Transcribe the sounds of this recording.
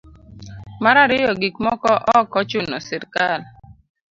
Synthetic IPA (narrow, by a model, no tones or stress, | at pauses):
maɾaɾɪjɔɡik̚mɔkɔʔɔkɔt͡ʃʊnɔsɛɾkal